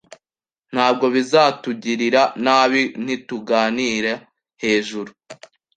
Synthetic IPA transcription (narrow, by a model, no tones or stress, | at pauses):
n̥haːb̚ɡo̞βizaːtuɟiɾiɾanaːβin̥ituɡaːniɾe | he̞ːʒuɾu